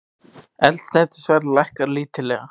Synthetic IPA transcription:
ɛlt̪snɛt̪ɪ̥svɛɾlajhkaɾliːt̪ʰɪlɛɣa

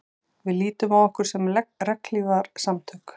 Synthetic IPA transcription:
vɪðliːt̪ʏmavɔhkʏɾ̥sɛmlɛrɛklivaɾ̥samt̪ʰœk

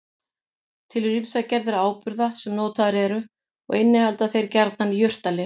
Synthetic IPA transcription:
t̪ʰɪlrinsacɛɾðɪɾaːwpʏɾðasɛmnoːwt̪ʰaðɾɛɾʏ | ɔ̰ɣɪnːɪhalt̪aθejɾcɛɾt̪nanjʏr̥t̪alɪ

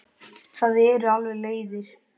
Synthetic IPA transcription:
θaðɛɾʏalvɛleːjðɪɾ̥

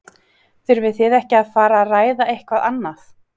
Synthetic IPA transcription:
θʏɾvɪðθɪðɛhcɪaðfaːɾaːraːjðaejhkvaðanːaθ

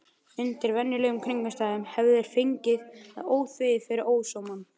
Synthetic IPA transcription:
ʏnt̪ɪɾvɛnːɪlœːɣʏmkʰɾiŋkast̪aːðʏmhɛvðɛɾ̥feɲcɪða̰ðoːwθvɪðɪfɪɾɪɾoːwsowman

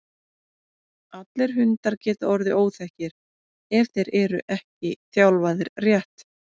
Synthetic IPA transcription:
at̪lɪɾ̥ɦʏnt̪aɾcɛːt̪aɔɾðɪʔoːwθɛhcɪɾ̥ | ɛvθejɾɛɾʏʔɛhcɪθjawlvaːðɪɾrjɛht̪

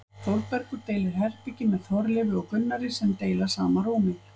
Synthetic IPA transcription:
θowɾpɛɾkʏɾt̪eːjlɪɾɦɛr̥picɪmɛðθɔɾlɪvɪɔɣkʏnːaɾɪsɛmt̪eːjlḁsaːmaɾuːmɪ

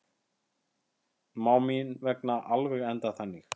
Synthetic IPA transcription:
maːwminvɛknaʔalvɛɣɛnt̪aθanːix

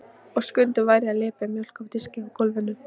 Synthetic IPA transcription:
ɔɣskʏnt̪ʏvajɾjaðlɪːpamjowl̥kawt̪ɪscɪɔɣkʰɔlvɛnːʏɾ̥

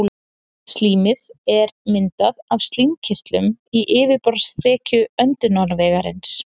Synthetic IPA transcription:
st̪liːmɪðɛɾmɪnt̪aðavst̪limcʰɪr̥t̪lʏmiʔɪːvɪpɔɾsθʰɛːcʏœnt̪ʏnanvɛːɣaɾɪ̰ns

